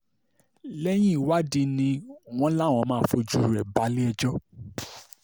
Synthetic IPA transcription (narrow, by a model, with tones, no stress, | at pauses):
lɛ˦j̃ĩ˦i˦˨wa˦di˧nĩ˧w̃ɔ̃˦la˦˨w̃ɔ̃˧mãː˦˨fo˧d͡ʒu˦˨ɾɛ˨ba˨˦li˦ɛ˧d͡ʒɔ˦